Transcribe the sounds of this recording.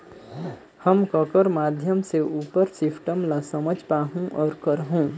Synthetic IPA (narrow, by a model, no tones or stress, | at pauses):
həmkəkəɾmaːd̪ʱjəmseuːpəɾsɪfʈəmlasəməd͡ʒʱpaːɦũʔɔːɾkəɾɦũː